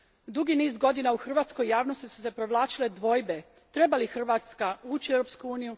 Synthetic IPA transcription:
d̪uɡiniːzɡo̞d̪inauxr̩ʋaːt̪sko̞jːaːʋno̞st̪isu̥se̞pɾo̞ʋlˠaːt͡ʃile̞d̪ʋo̞jbe̞ | t̪ɾe̞balixr̩ʋaːt̪skauːt͡ɕiewɾopskuuːniju

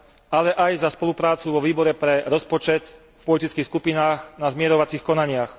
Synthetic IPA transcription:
alɛʔajzaspɔlupɾaːt͡suʋɔʋiːbɔɾɛpɾɛɾɔspɔt͡ʃɛt̪ | fpɔlit̪it͡skixskupinaːxnazmɪɛɾɔʋat͡sixkɔnaɲɪax

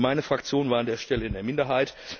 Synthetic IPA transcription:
maɪnəfʁ̥ak̚t͡sjoːnvaːɐandeːɐʃtɛləɪndeːɐmɪndɐɦaɪt

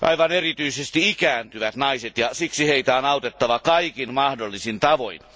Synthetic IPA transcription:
ʔɑ̰iʋɑnerit̪yisest̪iikæːnt̪yʋæt̪nɑiset̪jɑsiksiheit̪æonɑut̪et̪ːɑʋɑkɑikinmɑhdolːisint̪ɑʋoin

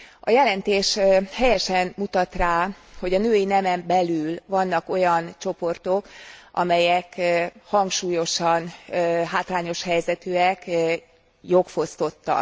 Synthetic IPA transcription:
ɒjɛlɛnt̪eːʃhɛjɛʃɛnmut̪ɒt̪raːho̞ɟɒnøːjinɛmɛmbɛlylvɒnːɒko̞jɒnt͡ʃo̞po̞rt̪o̞kʔɒ̰mɛjɛkhɒŋkʃuːjo̞ʃɒnɦaːt̪laːɲo̞ʃhɛjzɛt̪øɛk | jo̞kfo̞st̪o̞t̪ːɒ̰

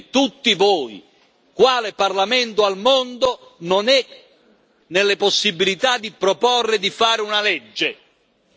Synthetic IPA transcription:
t̪ut̪ːivɔːj | kwaːlɪparlamɛnt̪oalmɔnd̪ononɛ | nɪlːɪposːibːilit̪ad̪ːipɾopɔrːɪd̪ifaːɾɪunalɛd͡ʒːe

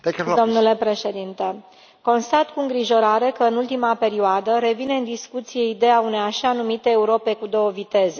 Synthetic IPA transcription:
dd̪o̞mnule̞pɾe̞ʃe̞d̪int̪e̞ | ko̞nst̪at̪kuɨŋɡɾiʒo̞ɾaɾe̞kəɨnult̪imape̞ɾioad̪əɾe̞vine̞ɨnd̪iskut̪sije̞id̪eaune̞jaʃanumit̪eːuɾo̞pe̞kud̪o̞wəvit̪e̞ze

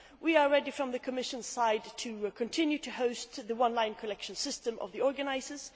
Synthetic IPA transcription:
wiəɹɛdifɹʌ̃mðɨkʰəmɪʃə̃nz̥saɪdtʰɨkʰɨ̃ntʰɪ̃njʉtʰɨhoʊst̪ðəwʌ̃nlãɪ̃nkʰəlɛkʃə̃n̩sɪstə̃mʔʌ̰vðiɔɹɡɨnaɪzə˞z̥

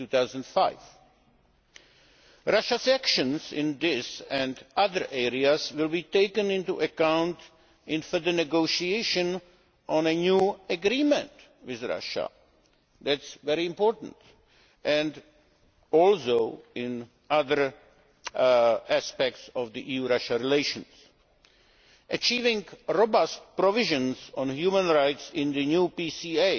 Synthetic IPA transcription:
ut̪aʊzə̃ndfaɪv | ɹaʃasækʃə̃nzɪ̃nðɪsɛ̃ndʌðəɹʔɛɹiazwɪlˠbiteɪkə̃nɪ̃ntuʔəkãʊ̃nt | ɪ̃nfə˞ðənɛɡoʊʃieɪʃə̃n | ʔɔ̃nɨnjuəɡɾĩmə̃nt | wɪðɹa̰ʃə̰ | ðætsvɛɾiɪ̃mpɔɹtn̩t | ʔɛ̃nd | ɔlˠsoʊɪ̃n | aðə˞ | æspɛk̚tsɔvd̪iʔiːjuɾaʃaɹileɪʃə̃ns | ʔət͡ʃiːvɪ̃ŋɹobast̚pɾɔvɪʒə̃nsɔ̃nhjuːmə̃nɹaɪtsɪ̃nd̪ɨnjuːpiːsieɪ

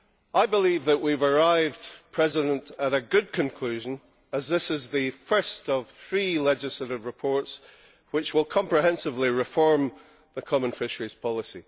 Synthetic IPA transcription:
ʔaɪbɪlˠivðəʔwivə˞aɪvdpʰɹ̥ɛzɪɾə̃nʔəɾəɡʉd̚kʰə̃nkʰl̥ʉʒə̃n | əzðɪsɪzðɨfɜ˞stəv̥θɹilˠɛd͡ʒɪslˠəɾɪvɹɪpʰɔɹts | wɪt͡ʃwɪlˠkʰɔ̃mpɹ̥ɪɦɛ̃nsɪvlˠiɹɪfɔɹm | ðəkʰɔmə̃nfɪʃə˞iz̥pʰɔlˠɪsḭ

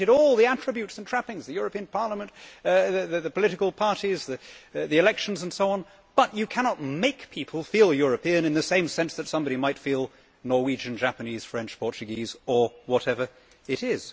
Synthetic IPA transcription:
ɨɾɔlˠðiæt͡ʃɹ̥ɨbjʉtsn̩tʰɹ̥æpɪ̃ŋzðɨjʊɹɨpĩɨ̃npʰɑɹləmə̃ntðɨðɨðɨpʰəlɪɾɨkəl̩ˠpʰɑɹɾizðɨðiɨlɛkʃn̩zə̃n̩soʊɑ̃n | b̥ʌt͡ʃɨkʰænɑt̚meɪkpʰipʰəl̩ˠfilˠjʊɹɨpʰĩɨ̃nɨ̃nðɨsẽɪ̃msɛ̃nsðɨtsʌ̃mbɑɾimaɪtfilˠ | nɔɹwid͡ʒɨ̃nd͡ʒæpɨniz̥fɹɛ̃nt͡ʃpʰɔɹt͡ʃɨɡizə˞wʌɾɛvə˞ | ɪɾɪz̥

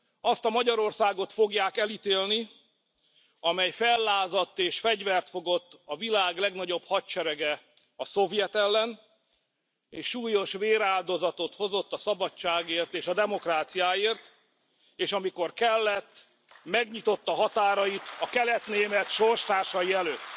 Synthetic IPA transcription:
ɒst̪ɒmɒɟɒɾo̞rsaːɡo̞t̪fo̞ɡjaːkɛlit̪eːlni | ɒmɛjfɛlːaːzɒt̪ːeːʃfɛɟvɛrt̪fo̞ɡo̞t̪ːɒvilaːɡlɛɡnɒɟo̞bhɒtt͡ʃɛɾɛɡɛ | ɒso̞vjɛt̪ɛlːɛn | eːʃʃuːjo̞ʃveːɾaːld̪o̞zɒt̪o̞t̪ho̞zo̞t̪ːɒsɒbɒt͡ʃt͡ʃːaːɡeːrt̪eːʃɒd̪ɛmo̞kraːt̪sijaːeːrt̪ | eːʃɒmiko̞rkɛlːɛt̪ː | mɛɡɲit̪o̞t̪ːɒɦɒt̪aːɾɒjit̪ɒkɛlɛt̪neːmɛt̪ʃo̞rʃt̪aːrʃɒjiɛløːt̪ː

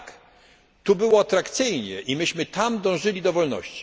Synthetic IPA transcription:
k | t̪ubɘwɔat̪ɾakt̪sɘjɲɛ̰ʔimɘɕmɘt̪amd̪ɔ̃w̃ʐɘlʲid̪ɔvɔlnɔ̰ɕt͡ɕi̥

